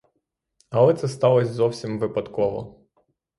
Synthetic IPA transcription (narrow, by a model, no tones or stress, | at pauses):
ɐlˠɛt̪sɛst̪ɑlˠɔzʲzɔwsʲimʋɪpɐt̪kɔʋɔ